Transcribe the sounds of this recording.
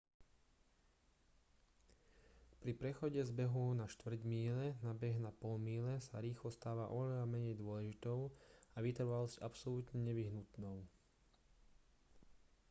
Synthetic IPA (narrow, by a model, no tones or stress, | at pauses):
pɾipɾɛxɔɟɛzbɛɦunaʃt̪ʋr̩ɟmiːlɛnabɛɣnapɔlmiːlɛsa̰ɾiːxlɔst̪aːʋaʔɔʋɛʎamɛɲɛjd̪ʊɔlɛʒit̪ɔʊaʋit̪r̩ʋalɔscʔapsɔlut̪ɲɛɲɛʋiɦnut̪nɔʊ